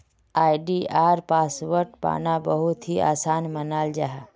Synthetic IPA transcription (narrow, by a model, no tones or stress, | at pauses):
aːiɖiaːɾpaːsʋəɾʈpa̰ːnabəɦut̪ɦia̰ːsaːnmənaːld͡ʒaɦa